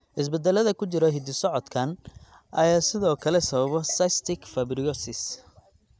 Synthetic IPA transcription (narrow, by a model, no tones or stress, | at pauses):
ʔɪs̬bɛd̪ɛlɐðɐkʰʊt͡ʃɪɾɔɦɪd̪ɪsɔʕɔd̪kʰɐn | ʔɐjaːsɪðɔːkʰɐlɛsɐβɐβɔsɐst̪ʰɪkfɐbɾɪɔsɪs